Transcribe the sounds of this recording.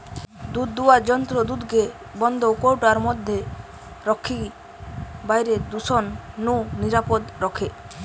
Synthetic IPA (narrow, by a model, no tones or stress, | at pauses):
d̪ud̪ːuad͡ʒɔnt̪ɾɔd̪ud̪ɡe | bɔnd̪owkowʈaɾmɔd̪ʱːe | ɾɔkʰːi | bajɾed̪usɔnːuniɾapɔd̪ɾɔkʰe